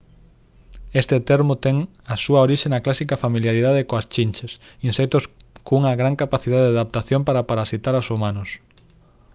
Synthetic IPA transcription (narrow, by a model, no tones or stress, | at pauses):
est̪et̪eɾmʊt̪ɛŋ | ɐsuɐoɾiʃenɐklasikafamiljaɾiðaðekoast͡ʃinʲt͡ʃes | insɛk̚t̪ʊskouŋɐɣɾaŋkapaθiðaðeaðap̚t̪aθjompaɾapaɾasit̪aɾasumanʊs